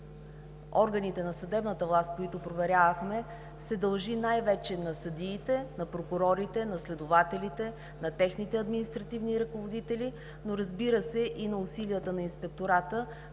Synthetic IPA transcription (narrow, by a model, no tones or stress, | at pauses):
ɔɾɡənit̪ɛnɐsɐd̪ɛbnət̪əvlˠast̪̚koit̪ʊpɾovɛɾʲjavəxmɛ | sɛd̪ɐlˠʒinajvɛt͡ʃɛnɐsɐd̪iːt̪ɛnɐpɾokʊɾɔɾit̪ɛnɐslɛd̪ʊvat̪ɛlit̪ɛ | nɐt̪ɛxnit̪ɛɐd̪minist̪ɾɐt̪ivniɾɐkovod̪it̪ɛli | noɾɐzbiɾəsɛʔinɐʊsilijət̪ənɐinspɛk̚t̪oɾat̪ə